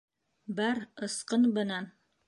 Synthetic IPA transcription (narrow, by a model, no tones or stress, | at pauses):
bæɾɤ̆sqɤnbɘ̆næn